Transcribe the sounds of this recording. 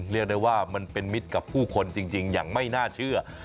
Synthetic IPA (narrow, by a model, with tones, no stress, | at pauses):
li˥˩ək̚da˥˩jwaː˥˩ma˧npe˧nmi˦˥t̪̚ka˨˩pʰːuː˥˩kʰo˧nt͡ɕi˧ŋt͡ɕi˧ŋja̰ː˨˩ŋma˥˩jnaː˥˩t͡ɕʰɯ˥˩ɐ